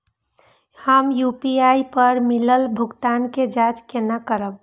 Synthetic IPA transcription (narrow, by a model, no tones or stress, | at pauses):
həmjupiaipəɾmiləlbʱʊɡt̪anked͡ʒat͡ʃkenakəɾəb̚